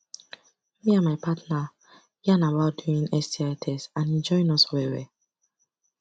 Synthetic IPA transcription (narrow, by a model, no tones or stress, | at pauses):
miãmaɪpatna | jiãnabaʊtd̥uĩnɛstiatʰɛsãnɛ̃nd͡ʒɔĩnɔswɛwɛ